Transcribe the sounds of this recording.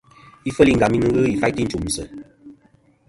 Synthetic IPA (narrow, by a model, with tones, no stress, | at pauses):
i˦fə˦li˧ŋɡa˨mĩ˦nɨ˧ɣɨ˦i˨fa˦ti˦n̩˦t͡ʃu˨m̩˨sə̰˨